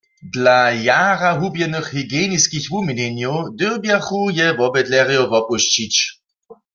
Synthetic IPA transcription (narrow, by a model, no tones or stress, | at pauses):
dlajaːʁaɦubjɛnɨxhiɡjeːniskixvuminɛnjowd̪ɪwbjaχujɛvɔbɛdlɛʁjɔvɔpuɕt͡ɕit͡ɕ